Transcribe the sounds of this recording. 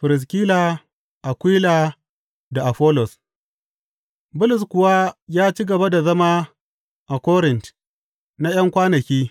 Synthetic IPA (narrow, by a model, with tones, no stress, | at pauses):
ɸɪ˨ɾɪ˨s̬kʲi˦laː˨ | ʔa˨kʷiː˦la˨ | da˨ʔa˨ɸɔ˦lɔ˨s | bʊ˦lʊ˨skʷʊ˨wa˦jaː˦t͡ʃiː˦ɡɐ˨ba˦da˨zɐ˦ma˦ | ʔa˨kʷɔ˦ɾɪ˨nt | na˦j̰ɐ˦ŋkʷaː˦nɐ˨kʲiː˦